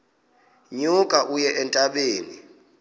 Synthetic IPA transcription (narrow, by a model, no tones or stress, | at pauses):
ɲukʼaʔujɛʔɛntʼaɓeːni